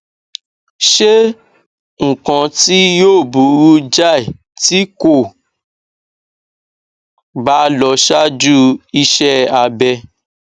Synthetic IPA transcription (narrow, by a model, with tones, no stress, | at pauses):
ʃe˦ | ŋ̩˨kã˧ti˦joː˦˨bu˨˦ɾu˦d͡ʒa˦˨i˨ | ti˦ko˦˨ | ba˦lɔ˧ʃa˦d͡ʒu˦i˧ʃɛ˦a˧bɛ˧